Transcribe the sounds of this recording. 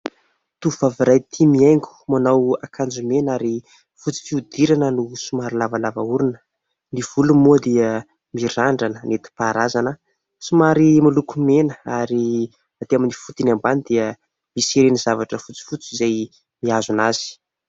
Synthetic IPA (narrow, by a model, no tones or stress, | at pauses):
t̪uvaviɾajt̪ʰimiajŋkʲu̥manawakʰand͡ʒumenaɾi | fut͡si̥fiud̪iɾanənusumaɾilavalavauɾunə̥ | niv̥ulumuəd̪iə | miɾaɳɖ͡ʐanənet̪i̥paɾazanə | sumaɾimilukumenəaɾi | at̪eaminifut̪inambanid̪iə | misiɾenizavaʈ͡ʂəfut͡si̥fut͡sizaj | miazunaz̥i̥